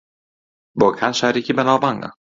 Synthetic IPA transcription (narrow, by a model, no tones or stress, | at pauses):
vɔɣkʰansaɛɾɛhcɪmɛnːaːpaŋːa̰